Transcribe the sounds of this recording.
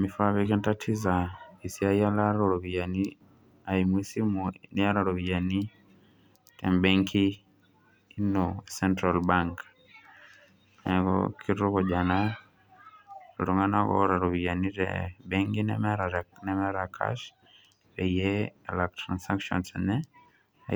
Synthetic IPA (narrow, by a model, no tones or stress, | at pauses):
mifaβikintatʰizaisiajalaɾoɾɔβijani | aimwisimunijaɾaɾoβijani | tɛmbaŋkʰiː | nosɛntɾalbaŋk | neko̰kʰiɾuɣoɟana | ɾuŋɡanaɣo̰ɾaɾoβijaniɾḛbeŋɡinḛɾanemeɾakʰa̰ʃ | ɾejelaktɾansakʃo̰nsne | a